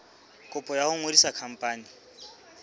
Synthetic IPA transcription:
kʼʊpʼɔjahʊŋwedisakʰam̩pʼaːni

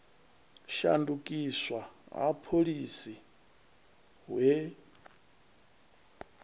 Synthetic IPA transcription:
ʃa̰ndukʼiswaa̰pʰoɺisi | ɦwe

